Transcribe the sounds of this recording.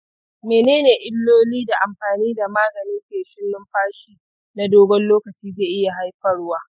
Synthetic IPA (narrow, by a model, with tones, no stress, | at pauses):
meː˨neː˦neː˨ʔɪ˦lːoː˦liː˦da˨ʔa˨mɸaː˨niː˦da˨maː˦ɡɐ˨nɪ˦ŋkʲeː˨ʃɪ˦lːɪ˦mɸaː˦ʃiː˦ | na˦doː˦ɡɔ˦nloː˦kɐ˨t͡ʃiː˦zeː˨ʔɪ˦ja˨ɦa˦jɸɐ˦ɽwaː˦